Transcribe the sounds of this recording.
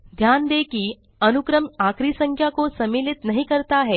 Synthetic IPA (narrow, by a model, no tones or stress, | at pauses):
d̪ʱjand̪ekiː | ənukɾəmakɾisəŋkʰjakosɐmeːlit̪nɐɦikəɾt̪aɦɛː